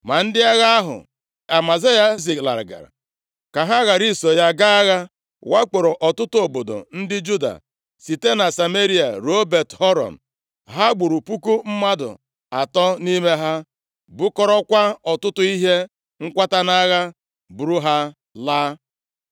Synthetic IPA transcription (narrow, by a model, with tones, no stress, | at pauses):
ma˨n̩˦dɪ˦a˦ɣa˦a˦ɦʊ̰˨ | a˨ma˨ze˦ja˦zi˨kla̰˨ɾɡa̰˨ɾa̰˨ | ka˨ɦa˦ɣa˨ɾi˦˨so˨ja˦ɡa˦ɣa˦ | wa˦k͡po˨ɾo˨ʔɔ˨tʊ˦tʊ˦o˨bo˨do̰˨n̩˦dɪ˦d͡ʒu˦da̰˨ | si˨te˦na˨sa˨me˦ɾi˦a̰˨ɾo˦be˨tɦɔ˦ɾɔ̰˨m̩˨ | ɦa˦ɡ͡bu˨ɾu˨pu˦ku˦m̩˦ma˦dʊ̰˨ | a̰˨tɔ˦ni˦me˦ɦa˦ | bʊ˦kɔ˦ɾɔ˦kʷa˦ɔ˨tʊ˦tʊ˦i˦ɦe˦ | ŋ̩˦kʷa˦ta˦na˦ɣa˦ | bu˨ɾu˦ɦa˦ | laː˦